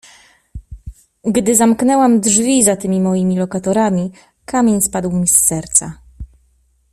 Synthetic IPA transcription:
ɡd̪ɘzamknɛwamdʐvʲizat̪ɘmʲimɔjimʲilɔkat̪ɔɾamʲi | kamʲeɲspad̪wmʲisːɛɾt̪sa

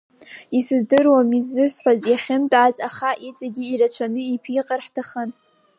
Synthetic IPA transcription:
isɨzdɨrwamizɨsħʷazjaχʲɪntʼazaχaʔit͡sʼaɡʲiːrat͡ɕʷʰanɨipʰiqʼarħtʰaχən

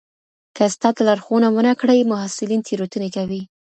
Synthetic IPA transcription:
kəst̪ɑt̪alaɾxonawənakɽəjmʊɦasɪlint̪ʰeɾot̪unekawi

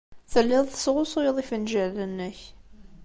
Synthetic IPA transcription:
θəlːɪðˤθə̥sʁʊsˤojðˤifənʒəʕlənːəç

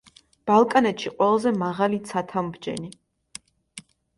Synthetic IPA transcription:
b̥alˠkʼanɛt̪ʃiqʼwɛlˠazɛmaʁalit̪sʰat̪ʰambd͡ʒɛ̰ni

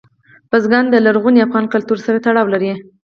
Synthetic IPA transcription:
b̥azɡɑnd̪əlaɾɣuniafɣɑnkalt̪uɾsaɾat̪aɽɑwlaɾi

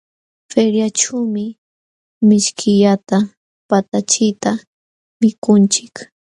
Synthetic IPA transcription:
feɾjat͡ʃuːmɪ | mɪʃkʰɪʎat̪a | pat̪at͡ʃɪjt̪a | mɪkʊnt͡ʃɪ̥k

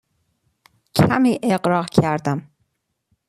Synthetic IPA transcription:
cʰæmiːʔeɢɾɒːɣcʰæɾd̪æm

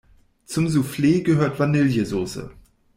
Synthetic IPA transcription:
t͡sʊmzufleːɡəɦøːɐtv̥anɪljəzoːsə̰

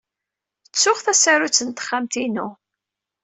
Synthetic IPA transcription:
ət͡sːʊχθæsaɾut͡sːənt̪ə̥χːamt̪inu

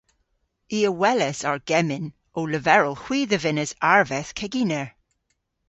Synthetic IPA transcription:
iːəwɛlɛsaɹɡ̥ɛmɪn | oːləvɛɹəlˠhw̥iːðəvɪnəzaɹvɛθkʰɛɡinɛɹ

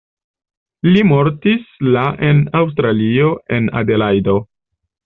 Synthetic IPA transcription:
limo̞ɾtislaʔe̞naws̬tɾalio̞e̞na̰de̞lajdo̞

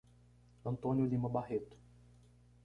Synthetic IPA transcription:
ɐ̃nt̪õnjʊlĩmɐbahet̪ʊ̥

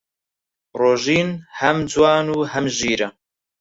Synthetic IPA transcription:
roːʒiːnhɐmd͡zwɑːnuːhɐmʒiːɾɐ

